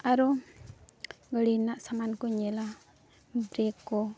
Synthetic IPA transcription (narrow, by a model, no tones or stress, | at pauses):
aɾo | ɡəlinaʔsamankoɲela | bɾekːo